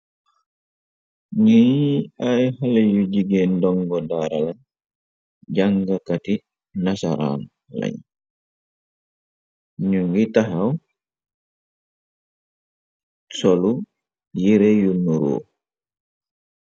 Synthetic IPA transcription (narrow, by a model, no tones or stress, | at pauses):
ɲiajhalajud͡ʒiɡɛndɔŋɡɔdaɾala | d͡ʒaŋɡakati | nasa̰ɾa̰lː | a̰ɲ | ɲuŋɡitaɦaw | sɔlu | jiɾɛjunuɾo̰